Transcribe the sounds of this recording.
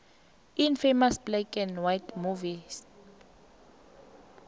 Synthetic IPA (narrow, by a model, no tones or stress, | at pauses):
infemasblekʼɛnwajtmuvis